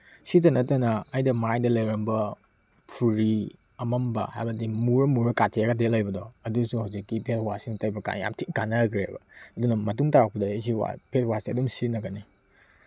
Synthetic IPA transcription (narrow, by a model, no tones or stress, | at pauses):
sitɐnɐtɐnɐːjdɐmajdɐlɐjɾɐmbɐ | pʰuɾi | ɐmɐmbɐ̰ha̰jbɐdimuɾɐmuɾɐkatʰiaɡadelɐjbɐdɔɐdusuhawzikːipʰetʰwasinɐtajbɐka̰nja̰mtʰikanɐɡɾebɐ̰ɐdunɐmɐt̬uŋtaɾak̚pɐdɐs̬iwa̰pʰet̚wasiɐdumsinɐɡɐne